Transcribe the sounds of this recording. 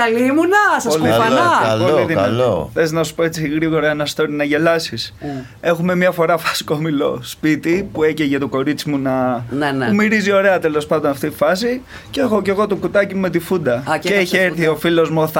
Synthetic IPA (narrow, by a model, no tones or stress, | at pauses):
kɐlimunɐsɐoliɐɐlpooliðileoθeznɐsu̥po̞et͡siɣɾiɣo̞ɾɐenɐst̪o̞ɾinɐʝe̞lɐsis | e̞xume̞mɲɐfo̞ɾɐfɐ̥si̥koomilo̞̰spit̪ipueceʝɐt̪oko̞ɾit͡simunɐnumiɾizio̞ɾe̞ɐt̪e̞lo̞spɐnd̪o̞nɐft̪it̪i̥fɐs̬i | ceexo̞ce̞ɣo̞t̪okut̪ɐcimume̞t̪ifund̪ɐceeçieɾθio̞filo̞zmuoθ